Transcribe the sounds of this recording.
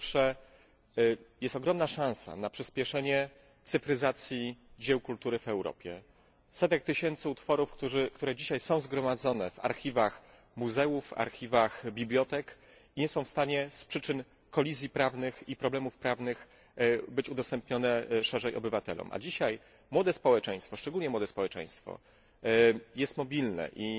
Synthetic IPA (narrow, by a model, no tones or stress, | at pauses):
ʂɛ | jɛst̪ɔɡɾɔmnaʂãw̃sa̰napʂɘspʲjɛʂɛɲɛ | t̪sɘfɾɘzat̪sʲjid͡ʑɛwkult̪uɾɘvɛwɾɔ̰pʲjɛ̰ | sɛt̪ɛk̚t̪ɘɕɛnt̪sɘut̪fɔɾufkt̪uʐɘkt̪uɾɛd͡ʑiɕajsɔ̃w̃zɡɾɔmad̪zɔnɛva̰ɾxʲivax | muzɛufa̰ɾxʲivaxbʲiblʲjɔt̪ɛk | iɲɛsɔ̃w̃fst̪aɲɛspʂɘt͡ʂɘn | kɔlʲizʲjipɾavnɘxipɾɔblɛmufpɾavnɘx | bɘt͡ɕud̪ɔst̪ɛmpɲɔnɛʂɛʐɛjɔ̰bɘvat̪ɛ̰lɔ̰mʔa̰d͡ʑiɕaj | mwɔd̪ɛspɔwɛt͡ʂɛ̃j̃st̪fɔʂt͡ʂɛɡulɲɛmwɔd̪ɛspɔwɛt͡ʂɛ̰̃j̃st̪fɔ̰ | jɛst̪mɔbʲilnɛ̰ʔi